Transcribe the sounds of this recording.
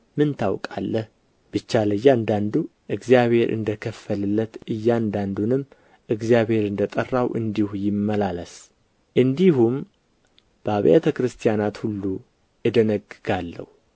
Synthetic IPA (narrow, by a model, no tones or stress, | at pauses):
mɨnt̪ʰawkʼa̰lːəh | b̥ɨt͡ʃːaləjːand̪and̪uʔɨɡzijaβhe̞ɾʔɨ̰nd̪əkʰəfːəlɨlːət̪ɨjːand̪and̪unɨm | ʔɨɡzijaβhe̞ɾɨnd̪ət̪ʼərːawʔɨnd̪ihujɪmːəlaləs | ʔɨnd̪ihum | b̥əaβjet̪ʰəkɾɨst̪ʰijanat̪hulːu | ɨd̪ənəɡɨɡalːə̰hu